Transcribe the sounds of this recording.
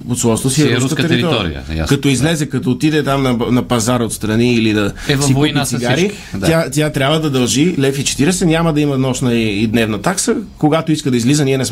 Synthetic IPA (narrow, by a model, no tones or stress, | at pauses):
ot̪slˠɔst̪osiɛɾuɾskk̪ɛɾiɛɾt̪ɔɔɾḭə̰ja̰kɐt̪ɔizlɛzɛkɐt̪ɔːt̪id̪ɛt̪amnɐnɐpɐzaɾəot̪st̪ɾɐniːlid̪ɐɛvsiunɛasiɡsaɾi | d̪jat̪ʲjat̪ɾjabvəd̪ɐd̪ɐlˠʒilɛfit͡ʃɛ̥t̪iɾɛsɛnʲaməd̪ɐimɐnɔʃnəiːd̪nɛvnɐt̪aksəkoɡat̪oiskəd̪ɐizlizəniɛnɛs